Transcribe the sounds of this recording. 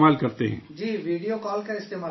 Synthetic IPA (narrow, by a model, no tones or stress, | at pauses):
maːlkɐɾt̪eɦɛ̰̃ːd͡ʒiːʋiːɖijokɔːlkaɪst̪eːmaː